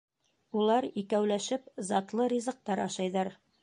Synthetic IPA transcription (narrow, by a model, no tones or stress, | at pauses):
ulˠɑɾikæwlæʃɘpzɑt̪lˠɤɾʲizɤ̆q̚t̪ɑɾɑʃɑjðɑɾ